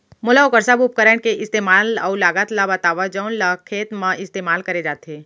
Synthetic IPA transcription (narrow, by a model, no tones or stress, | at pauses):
mʊlaʊkəɾsabʊp̚kəɾɛɳkeʔɪst̪eːmaːlalaːɡət̪labət̪aːʋad͡ʒəʊnlakʰeːt̪mãʔɪst̪eːmaːlkɐɾed͡ʒaːt̪eː